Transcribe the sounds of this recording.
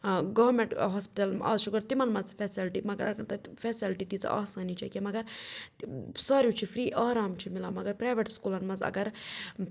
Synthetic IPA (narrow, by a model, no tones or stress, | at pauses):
ɡɐʋmẽɳʈɦoːspiʈɐlɐ̰ːzʃukɐɾt̪imɐnmɐzfʰɛːsilʈimɐɡɐɾɐkɐɾt̪ɐfɛːsilʈit̪it͡sɐ̰ʔa̰ːsɐːnit͡ʃʰɐ̰kemɐɡɐɾ | saːɾjut͡ʃʰifʰɾiːʔaːɾaːmt͡ʃʰimilaːmɐɡɐɾpɾaːʋeʈskuːlɐnmɐzɐ̰ɡɐɾ